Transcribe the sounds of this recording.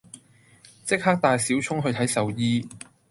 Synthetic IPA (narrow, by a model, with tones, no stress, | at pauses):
t͡sɪ˥k̚haː˥k̚t̪aː˨˧jsiː˨˥wt͡ʃʰʊ˥ŋɦɵ˧ɥt̪ʰɐ˨˥jsɐ˨wjiː˥